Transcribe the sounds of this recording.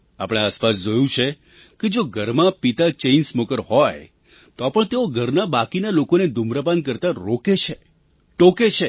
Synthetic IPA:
apɽ̃easpas̬d͡ʒojũt͡ʃʰe | ked͡ʒoɡʱəɾmãpit̪at͡ʃensmokəɾhɔj | t̪ɔpəɳt̪eoɡʱəɾnabakinalokoned̪umɾəpankəɾt̪aɾoket͡ʃʰe | ʈoket͡ʃʰe

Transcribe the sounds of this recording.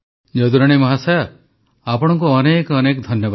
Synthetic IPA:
d͡ʒɔd̪uɾɔɽ̃imɔɦasaja | apɔɽ̃ɔŋk̬uɔnekɔnekɔd̪ʱɔnjɔb

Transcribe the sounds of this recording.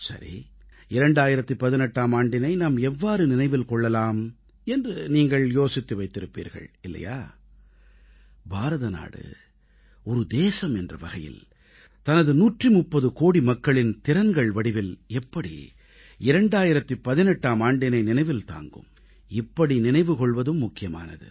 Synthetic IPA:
sɐ̰ɾḭ | ɪɾɐɳɖaːjɪɾɐt̪ːɯpɐðɪnɛʈːaːmaːɳɖɪnɐɪnaːmɛʋːaːɾɯnɪnɐɪʋɪlkɔɭːɐlaːm | ɛndrɯniːŋɡɐɭjoːsɪt̪ːɯʋɐɪt̪ːɪɾɯpːḭːɾɣɐ̰ɭɪlːɐ̰ja̰ː | bʱaːɾɐðɐna̰ːɽɯ̰ | ɔɾɯd̪eːsɐmɛndrɐʋɐɣɐjɪ̰l | t̪ɐnɐðɯnuːʈrimʊpːɐðɯkoːɽimɐkːɐɭɪnt̪ɪɾɐnɡɐɭʋɐɽɪʋɪlɛpːɐɽḭ | ɪɾɐɳɖaːjɪɾɐt̪ːɯpɐðɪnɛʈːaːmaːɳɖɪnɐɪnɪnɐɪʋɪlt̪a̰ːŋɡɯ̰m | ɪpːɐɽinɪnɐɪʋɯkɔɭʋɐðɯmːʊkːɪjɐma̰ːnɐ̰ðɯ̰

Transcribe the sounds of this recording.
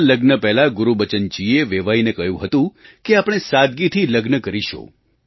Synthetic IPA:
ləɡnəpɛɦlaɡuɾubət͡ʃənt͡ʃieʋeʋajinekəjũɦət̪ũkeapɽ̃esad̪ɡit̪ʰiləɡnəkəɾiʃõ̰

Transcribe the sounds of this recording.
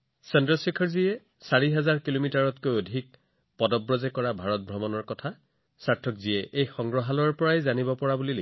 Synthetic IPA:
sɛndɹɔsikʰɔɹziɛ | saɹiɦɛzaɹkilomitaɹɔtkojodʱik̚ | pɔdɔbɹɔzɛkɔɹabʱaɹɔt̚bʱɹɔmɔnɔɹkɔtʰa | saɹtʰɔkzijɛʔejxɔŋɡɹɔɦalɔɹpɔɹajzanibɔpɔɹabulile

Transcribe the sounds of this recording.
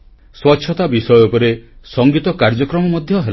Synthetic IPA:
swɔtːʃʰɔt̪abisɔjɔpɔɾesɔŋɡit̪ɔkaɾd͡ʒɔkɾɔmɔmɔd̪ʱjɔɦel

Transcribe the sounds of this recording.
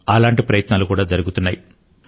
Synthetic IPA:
alaːɳʈipɾɐjɐt̪naːlukuːɽaːd͡ʒɐɾuɡut̪unːaːji

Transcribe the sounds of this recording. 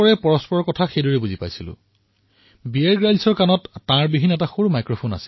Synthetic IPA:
ɔɹɛpɔɹɔspɔɹɔɹkɔtʰaxejdoɹɛbuzipa̰jsilʊ̰̃ | bieɹɡɹajlsɔɹkanɔtːãɹbibʱinːɔɛtaxoɹumajkɹopʰona̰sil

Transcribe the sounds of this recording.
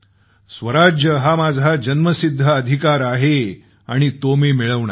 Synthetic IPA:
sʋəɾad͡ʑjəɦamad͡zʱad͡ʑənməsid̪ʱːəəd̪ʱikaɾaɦe | aɽ̃it̪omemiɭəʋɳa

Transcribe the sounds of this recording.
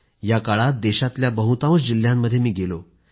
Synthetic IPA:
jakaɭat̪̚d̪eɕat̪ljabəɦut̪ãʋõsd͡ʑil̤jamːəd̪ʱjemiːɡelo

